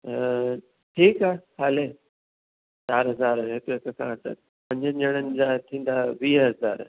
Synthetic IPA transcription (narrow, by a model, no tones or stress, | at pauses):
ʈʰiːkaːhaːle | t͡ɕaːɾɦɐzaːɾɦɪk̪oɪkkʰã̰t̪ə̰ | pɐ̃ɲd͡ʑəʄəɽ̃ənɪ̆d͡ʑaːt̪ʰĩːn̆d̪aʋiːɦɐzaːɾ